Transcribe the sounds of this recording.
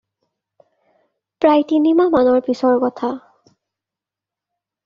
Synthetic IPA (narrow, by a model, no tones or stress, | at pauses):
pɹajtinimamanɔɹpisɔɹkɔtʰa